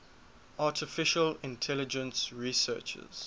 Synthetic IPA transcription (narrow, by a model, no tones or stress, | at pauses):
ʔaːtʰɪfɪʃəlɪ̃ntʰɛlɪd͡ʒə̃nsɹisɜ̰ːt͡ʃə̰z̥